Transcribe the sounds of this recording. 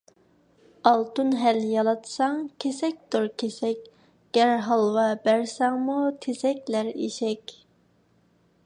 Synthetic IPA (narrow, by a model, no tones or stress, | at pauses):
ɑlˠt̪ʰunɦæljɑlˠɑt̪ʰsɑŋkʲʰesɛk̚ʲd̪oɾkʲʰesɛk̚ʲ | ɡ̥ʲæɾɦɑlˠwɑbæɾsɛŋmut̪ʰesɛk̚ʲlæɾḭʃɛkʲ